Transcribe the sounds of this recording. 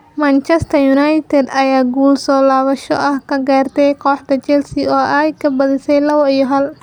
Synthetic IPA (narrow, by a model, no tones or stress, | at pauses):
mɐnt͡ʃɛst̪ʰɐjunɐjt̪ʰɛd̪ɐjaːɡuːlsɔːlaːβɐʃɔ̰ʔɐhkʰɐɡaːrt̪ʰɛjkʰɔːħt̪ʰɐt͡ʃɛlsiɔːʔajkʰɐbɐðɪsɛjlɐβɔijɔɦɐl